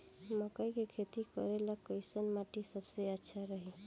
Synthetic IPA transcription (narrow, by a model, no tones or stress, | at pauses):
məkəjkekʰet̪ikəɾeləkːəjsənmaʈisəbseətːʃʰaɾəɦi